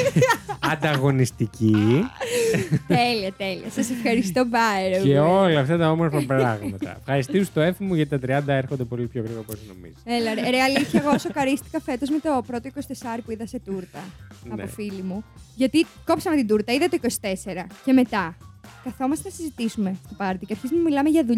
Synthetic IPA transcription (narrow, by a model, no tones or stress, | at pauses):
ɐnd̪ɐɣo̞nist̪ici | t̪eliɐt̪e̞liɐsɐsefxɐɾist̪o̞bɐeɾeolɐːft̪ɐt̪ɐomozmɐpɾɐɣmɐt̪ɐ̰efxɐɾist̪iust̪oefimuʝɐt̪it̪ɐt̪ɾiɐnd̪ɐeɾxond̪epo̞lipçoɣɾiɣoɾposno̰mḭzielɐɾɾeɐliθçɐɣosokɐɾist̪i̥kɐfe̞t̪o̞zmet̪o̞pɾo̞t̪o̞iko̞si̥t̪e̞sɐɾipuiðɐse̞t̪uɾt̪ɐɐofilimuʝɐt̪iko̞pi̥sɐmet̪id̪uɾt̪ɐiðɐt̪oikosi̥t̪e̞se̞ɾɐce̞me̞t̪ɐkɐθo̞mɐst̪enɐsizit̪isume̞st̪opɐɾt̪iceɐɾçizmnumilɐmeʝɐðuʎ